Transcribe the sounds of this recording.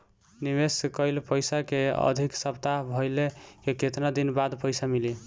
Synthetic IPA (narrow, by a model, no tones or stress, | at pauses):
niβeskəjlpəjsakeə̰d̪ʱiksəpt̪abʱəjlekeket̪nad̪inbad̪pəjsamili